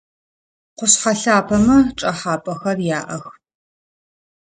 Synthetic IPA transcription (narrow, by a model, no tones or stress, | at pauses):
qʷʊɕħaɬaːpʰɐmɐʈ͡ʂʼɐħaːpʼɐxɐrjaːʔɐx